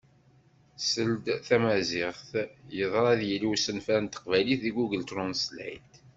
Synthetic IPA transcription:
səld̪θæmæzɪʁθjəðˤɾˤɑðjiliwsənfænt̪ːə̥qvæliθðiɡuɡəlt̪ɾʊnslæ̰jt̪

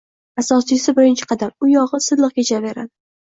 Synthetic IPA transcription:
asɒsɪsɪbɪɾɪnt͡ʃʰɪ̥qʰɑd̪amʊjɒʁɨsɨd̪lˠɨq̚kʲet͡ʃʰave̞ɾad̪

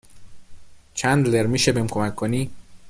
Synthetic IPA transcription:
t͡ʃʰænd̪leɾmiʃebemkʰomækʰːoniː

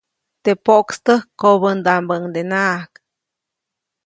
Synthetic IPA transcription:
t̪epoʔkst̪əhkoβənd̪ambəŋd̪enaʔk

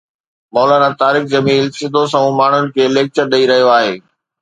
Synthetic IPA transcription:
mɔːlaːnãt̪aːɾɪkzɐmiːlsɪd̪ʱos̬ɐ̃ũmaːɳ̤ʊnɪ̆kʰeːleːk̚t͡ɕəɾɗɐiɾɐɦijoaːɦeː

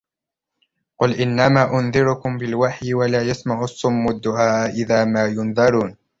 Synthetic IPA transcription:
qʊlʔɪnːamaːʔʊnðɪɾʊkʊmbɪlwaħjɪwalaːjasmaʕʊɑsˤːʊmːʊd̪ːʊʕaːʔʔɪðaːmaːjʊnðɑɾˤuːn

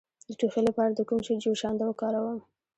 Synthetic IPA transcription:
d̪əʈuxelapɑɾad̪əkumʃed͡ʒoʃɑnd̪awəkɑɾawəm

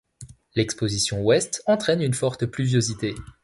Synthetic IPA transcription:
lɛkspozisjɔ̃wɛst̪ɑ̃t̪χɛnynfɔʁt̪plyvjozit̪e

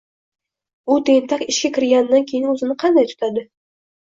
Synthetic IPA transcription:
ʊt̪ʰent̪ʰakɪʃkʲakʲʰɪɾɡʲand̪ankʲʰejɪnɵzɪnɪqʰɑnd̪ajt̪ʰʊ̥t̪ʰad̪ɪ

